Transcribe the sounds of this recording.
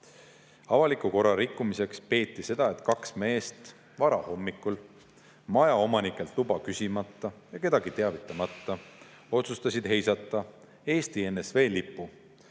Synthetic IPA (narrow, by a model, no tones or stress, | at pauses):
ɑvɑlikˑuko̞ɾɑɾikːˑumise̞kspe̞ːt̪ˑːise̞d̪̥ɑe̞t̪ˑkɑksme̞ːst̪ | vɑɾɑ̰ho̞mːikːˑul | mɑjɑo̞mɑnikːˑe̞lt̪lubɑkysʲimɑt̪ːˑɑjɑke̞d̪̥ɑɡ̥it̪e̞ɑvit̪ːˑɑmɑt̪ːˑɑ | o̞t̪sust̪ɑsʲid̪̥he̞jsɑt̪ːˑɑ | e̞ːst̪ie̞nːesve̞ːlipːˑu